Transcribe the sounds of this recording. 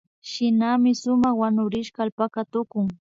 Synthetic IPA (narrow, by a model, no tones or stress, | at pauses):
ʃɪnamɪsʊmɑχwanʊɾɪʃkɑːlpakat̪ʊkʊŋ